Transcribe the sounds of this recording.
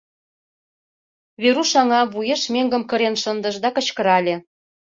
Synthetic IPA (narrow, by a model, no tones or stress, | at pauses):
βeɾuʃɑŋɑβujeʃmeŋɡə̆mkə̆ɾenʃə̆nd̪ə̆ʃd̪ɑkə̆t͡ɕkə̆ɾɑlʲĕ